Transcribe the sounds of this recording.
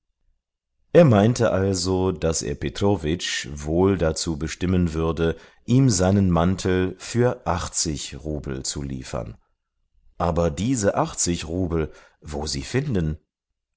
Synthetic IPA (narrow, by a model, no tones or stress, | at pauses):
ʔeːɐmaɪntəʔalzodasʔḛːɐpetʁ̥ovɪt͡ʃvoːldat͡suːbəʃtɪmənvʏɐdə | ʔiːmzaɪnənmantʰl̩fyːɐʔaχt͡sɪçʁuːbl̩t͡sṵlḭːfɐ̰n | ʔaːbɐdiːzəʔaχt͡sɪçʁuːbl̩ | voːziːfɪndn̩